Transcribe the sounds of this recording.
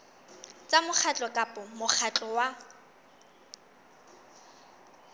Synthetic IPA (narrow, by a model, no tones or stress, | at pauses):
t͡sʼamʊk͡xʰat͡ɬʼɔkʼapʼɔmʊk͡xʰat͡ɬʼɔwa